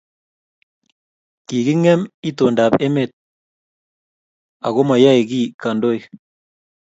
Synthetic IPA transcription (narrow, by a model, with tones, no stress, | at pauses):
ki˨ɣi˦ŋɛ˦mi˦to˨nda˨pɛ˦me˨t̪̚ | a̰˨ɣo˦ma˨ja˦i˨ɣi˦ka˨ndo˦j